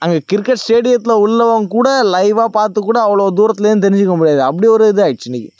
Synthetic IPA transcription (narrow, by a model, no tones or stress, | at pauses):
ɐŋɡekɪɾkːɐʈsʈeːɽɪjɐt̪ːɪlɐʊlːɐʋaŋkuːɽɐlɐɪʋaːpaːɾt̪ɯkːuːɽɐːʋɐɭoːd̪uːɾɐt̪ːɪlɐnːt̪̬ɛɾɪɲd͡ʒɯkːɐmʊɽɪjaːðɯɐp̬ːɐɽiɔɾɯɪðɯaːɣɪʈt͡ʃːɯɪnːɪkːɯ